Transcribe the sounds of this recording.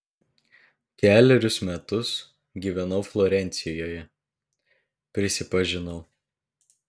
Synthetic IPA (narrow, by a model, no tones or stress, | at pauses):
kʲæːlʲɛɾʲʊsmʲɛt̪ʊs | ɡʲiːʋʲɛnɒʊflˠɔɾʲɛnʲt̪sʲɪjoːjɛ | pʲɾʲɪsʲɪpɐʒʲɪnɐʊ